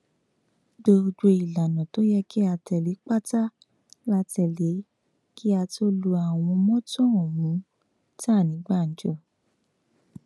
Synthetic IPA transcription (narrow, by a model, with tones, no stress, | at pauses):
do˧d͡ʒo˧i˨la˨nɔ̃˨to˨˦jɛ˦ki˦a˧tɛ˨le˨˦k͡pa˦ta˦ | la˦tɛ˧˨le˨˦ | ki˦a˧to˦lu˧a˨w̃ɔ̃˧mɔ̃˦tɔ̃˦o˨mũ˨˦ | ta˦˨nĩ˨˦ɡ͡ba˦˨n̩˨˦d͡ʒo˦˨